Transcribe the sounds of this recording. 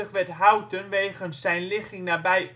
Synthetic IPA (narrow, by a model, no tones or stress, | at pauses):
əχʋɛtɦawtənʋeːɣənsɛjnlɪxɪŋnaːbɛj